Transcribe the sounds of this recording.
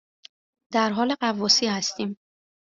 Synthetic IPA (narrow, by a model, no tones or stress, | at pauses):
d̪̥æɾɦɒːleɢævɒːsiːhæst̪iːm